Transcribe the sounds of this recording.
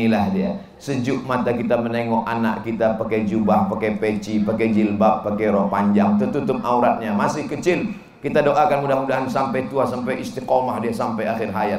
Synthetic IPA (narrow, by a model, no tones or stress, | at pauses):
ilahdia̰ | səd͡ʒʊʔmat̪akit̪aməneŋɔʔana̰ʔkit̪apakɛjd͡ʒubahpakɛpet͡ʃipakɛd͡ʒilbaʔpakɛjɾɔhpaɲd͡ʒaŋt̪ut̪ut̪ʊp̚auɾat̪̚ɲamasɪhkət͡ʃɪl | kit̪adoʔakanmudamudaɦansampajt̪uasampajist̪ikɔmahdiasampajaxɪrɦaja